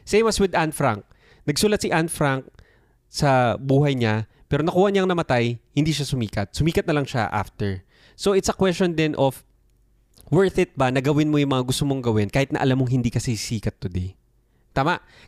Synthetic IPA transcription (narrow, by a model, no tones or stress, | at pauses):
sejmɐswɪd̪anfɾaŋk̚ | nɐɡsuːlɐt̪sɪʔanfɾaŋk̚ | sɐbuːɦɐjɲa | pɛːɾonɐkuhaɲaŋnɐmɐt̪ajhɪnd̪iːʃasʊmiːkɐt̪̚sʊmiːkɐt̪̚ɐlɐŋʃaʔa̰ft̪ɛɹ | soʔɪt̪sɐkwɛstt͡ʃond̪ɪnʔof | wɛɹθɪt̪̚banɐɡɐwɪnmojʊŋmɐŋaɡʊst̪omoŋɡɐwɪnkaːhɪt̪nɐ̰ʔɐ̰lamːoŋɦɪnd̪iːkɐsɛsiːkɐt̪ːʊd̪ej | t̪aːmaʔ